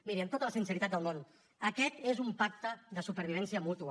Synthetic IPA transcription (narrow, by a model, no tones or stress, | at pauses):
miɾiənt̪ot̪ələsinsəɾit̪at̪̚d̪əlˠmon | əkɛt̪ezumpak̚t̪əðəsupəɾβ̞iβ̞ɛnsiəmut̪uə